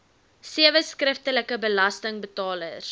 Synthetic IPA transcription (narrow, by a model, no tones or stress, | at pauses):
siəvəskrəftələkəbəlɐstəŋbətɑːlə̰r